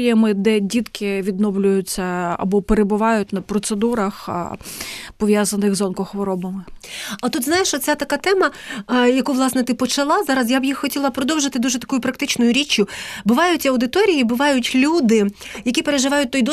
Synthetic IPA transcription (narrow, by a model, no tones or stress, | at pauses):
jɛmɪd̪ɛdʲid̪kɪʋʲid̪nɔwlʲʊjʊt͡sʲːɐɐ̰bɔpeɾebʊʋɑjʊt̚ʲnɐpɾɔt̪sed̪uɾɐx | pɔʋʲjazɐnɪɣzɔnkɔxʋɔɾɔbɐmɪɐt̪ut̪znɑjeʃɔt̪t͡sʲat̪ɐkɑt̪ɛmɐjɐkuʋlˠɑsnɛt̪ɪpɔt͡ʃɐlˠɑzɑɾɐsjabjixxɔtʲilˠɐpɾɔd̪ɔwʒɪt̪ɪd̪uʒɛt̪ɐ̥kujʊpɾɐkt̪ɪt͡ʃnʊjʊɾʲit͡ʃʲjʊbʊʋɑjʊtʲɐwd̪ɪt̪ɔɾʲijibʊʋɑjʊtʲlʲud̪ɪjɐkʲipeɾeʒɪʋɑjʊt̚ʲt̪ɔjd̪ɔ